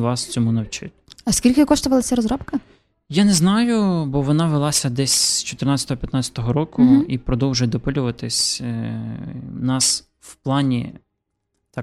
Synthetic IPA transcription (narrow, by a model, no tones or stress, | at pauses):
ʋɑst͡sʲɔmunɐwt͡ʃɪ̰t̪ʲɐskʲilʲkɪkɔʃt̪ʊʋɐlˠɐsʲɐɾɔzɾɔpkɐ | janɛznɑjʊbɔʋɔnɑʋelˠɑsʲɐd̪ɛsʲz̥t͡ʃɔt̪ɪrnɑt͡sʲɐt̪ɔɦɔpʲjɐt̪nɑt͡sʲɐ̥t̪ɔɦɔɾɔkʊipɾɔd̪ɔwʒʊjd̪ɔpɪlʲʊʋɐt̪ɪsʲ | nɑs | wplˠɑnʲḭ | t̪ɑ